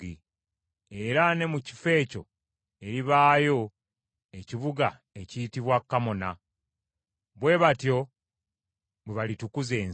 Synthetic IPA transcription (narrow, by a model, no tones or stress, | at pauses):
i | e̞ɾane̞muci̥fe̞ːco̞̰ | e̞ɾiβaːjo̞ | e̞ciβuɡa̰ | e̞ciːtiβwakːamo̞na | βwe̞βatjo̞ | βweβalitukuzeː